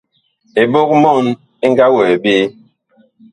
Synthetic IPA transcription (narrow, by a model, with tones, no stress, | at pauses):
e˨bo˦k̚mɔ˦˨n | e˦ŋ˦ɡa˦wo˨e˨be˦